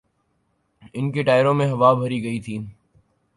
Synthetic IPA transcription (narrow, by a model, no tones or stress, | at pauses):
ɪnkeːʈaːɪɾõːmẽːɦəʋaːbʱəɾiːɡəiːt̪ʰĩː